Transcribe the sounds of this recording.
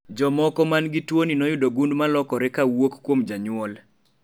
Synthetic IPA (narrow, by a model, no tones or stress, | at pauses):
d͡ʒɔmɔkɔmanɡitwoninɔjʊdoɡundmalɔkɔɾɪkawokkːwomd͡ʒaɲʊɔl